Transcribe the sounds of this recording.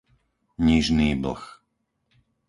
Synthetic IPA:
ɲiʒniːbl̩x

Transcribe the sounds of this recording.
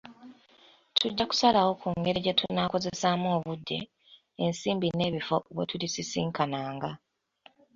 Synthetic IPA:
tʰuɟːaku̥salawo̞kuŋɡe̞ɾeɟetʰunːaːko̞ze̞samoːβudːe̞̰ː | nsiːmbine̞ːβifo̞βwḛtulisisiːŋkanaːŋɡa

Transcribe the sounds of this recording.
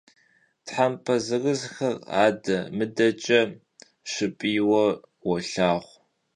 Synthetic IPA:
tħampʰɐzɨrɨzxɐra̰ːdɐmɨdɐt͡ʃʼɐ | ʃɪpʼiːwɐwɔɬaːʁʷ

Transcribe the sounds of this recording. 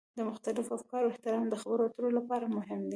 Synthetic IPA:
d̪əmʊxt̪alɪfafkɑɾoɪht̪ɪɾɑmd̪əxabəɾoat̪əɾolapɑɾamʊɦɪmd̪i

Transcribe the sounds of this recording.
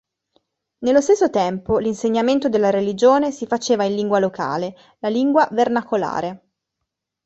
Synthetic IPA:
nelːost̪esːot̪ɛmpolinseɲːament̪od̪elːaɾelid͡ʒoːnesifat͡ʃeːvainliŋɡwaloka̰ːle | laliŋɡwavernakola̰ːɾe

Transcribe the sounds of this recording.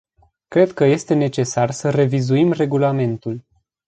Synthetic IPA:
kɾe̞d̪kəje̞st̪e̞ne̞t͡ʃe̞sarsəre̞vizuimre̞ɡulame̞nt̪ul

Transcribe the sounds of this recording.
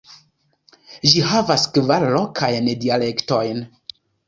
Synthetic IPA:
ʒiɦavaskvaɾlokʰajnedialektojn

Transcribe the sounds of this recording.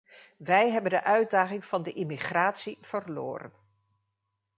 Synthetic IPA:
ʋɛjɦɛbəndəʔœɥd̚daːχɪŋv̥ɑndəʔɪmiχraːtsiv̥ərlʊ̰ːɾə̰n

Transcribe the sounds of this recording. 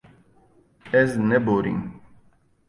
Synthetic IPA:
ɛznɛbɔɾḭŋ

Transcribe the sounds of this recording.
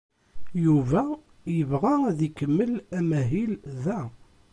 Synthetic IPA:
juvæ | jəvʁæðikəmːəlæmæɦilðæ

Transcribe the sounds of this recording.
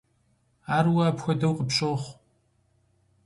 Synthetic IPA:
aːrwaːpxʷɐdɐwqʼəpɕʼoːχʷ

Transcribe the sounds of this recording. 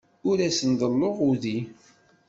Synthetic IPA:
ʊɾæsənðəlːoʁuði

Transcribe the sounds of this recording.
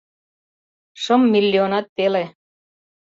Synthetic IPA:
ʃɤ̆mːilʲːionɑt̪ːele

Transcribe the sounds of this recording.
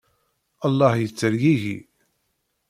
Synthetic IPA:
əlˤːɑhjət͡sːəɾɡiʝḭ

